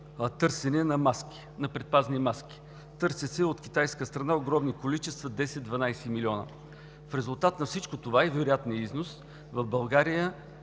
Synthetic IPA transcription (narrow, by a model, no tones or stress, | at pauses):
ət̪ɤɾsɛnɛnɐmaski̥ | nɐpɾɛt̪̚paznimaskʲi̥ | t̪ɤɾsət̪sɛot̪kʲi̥t̪ajskəst̪ɾɐnaoɡɾɔmnikolit͡ʃɛst̪vɐd̪ɛsɛt̪d̪vɐnajsɛmilʲiɔnə̰ | fɾɛzʊlˠt̪at̪nɐfsit͡ʃkot̪ovaɛvɛɾʊjat̪niəiznos | vɐvbɐlˠɡaɾijə